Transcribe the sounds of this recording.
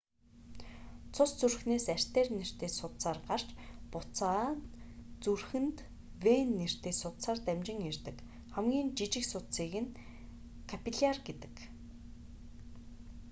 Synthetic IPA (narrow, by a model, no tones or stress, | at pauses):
t͡sʰʊst͡surxneːsær̥ʲt̪eːrner̥t̪eːsʊt̪saːrɢar̥t͡ɕpʊt͡saː | t͡surxɘ̆nt̪ | wenːer̥t̪eːsʊt̪saːrt̪æmt͡ɕɪ̆ŋert̪ɘ̆k | χæmɡʲiːnt͡ɕit͡ɕɪ̆ksʊt̪siːɣɘ̆n | kʰapiɮarɡet̪ɘ̥̆k